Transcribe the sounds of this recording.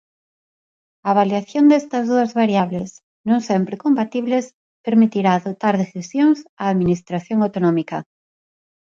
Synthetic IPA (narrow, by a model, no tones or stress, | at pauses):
ɐβ̞aljaθjond̪ɛst̪ɐzðuɐzβaɾjaβles | nõŋsɛmpɾekompat̪iβles | peɾmit̪iɾaːðot̪aɾðeθisjoŋsaːðminist̪ɾaθjoŋawt̪onomikɐ